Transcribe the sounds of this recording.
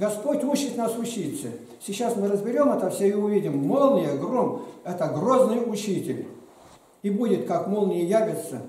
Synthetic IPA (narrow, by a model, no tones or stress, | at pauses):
ɡɐspotʲut͡ɕːɪt̪ʲnasʊt͡ɕit̪sə | sʲɪt͡ɕːasmɨɾəzbʲɪɾʲo̞mɛt̪əfsʲeiʊvʲidʲɪmːolˠnʲɪjəɡromɛt̪əɡroznɨjʊt͡ɕitʲɪlʲ | ibudʲɪt̪kakmolˠnʲɪjəjavʲɪt̪sə